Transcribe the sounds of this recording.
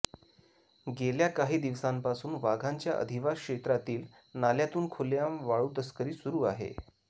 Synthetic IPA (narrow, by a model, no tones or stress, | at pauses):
ɡeljakaɦiːd̪iʋsampasuːnʋaɡʱaɲt͡ɕjaʔə̰d̪ʱiʋaskɕet̪ɾat̪iːl | naljat̪uːnkʰoljãʋaɭuːt̪əskəɾiːsuɾuːaɦḛ